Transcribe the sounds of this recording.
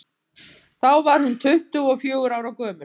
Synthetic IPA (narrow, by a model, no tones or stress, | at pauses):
θawvaɾ̥hʏnt̪ʰʏht̪ʏɔfjœːɣʏɾaːwɾawkœːmʏ̥